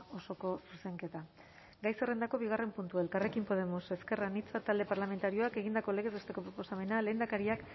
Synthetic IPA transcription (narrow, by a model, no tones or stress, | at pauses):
o̞so̞ko̞suse̞ŋke̞t̪a | ɡajse̞re̞nd̪ako̞βiɣ̞are̞mpunt̪ue̞lkarekimpo̞ð̞e̞mose̞ske̞ranit͡sat̪ald̪e̞paɾlame̞nt̪aɾio̞ake̞ɣind̪ako̞le̞ɣ̞e̞zβest̪e̞ko̞pɾo̞po̞same̞nale̞ːnd̪akaɾiak